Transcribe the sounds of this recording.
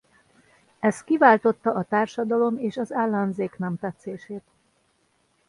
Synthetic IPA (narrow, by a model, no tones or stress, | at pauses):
ɛst̪̚kivaːlt̪o̞t̪ːɒʔɒt̪aːrʃɒd̪ɒlomeːʃɒzaːlːɒnzeːknɛmt̪ɛt̪seːʃeːt̪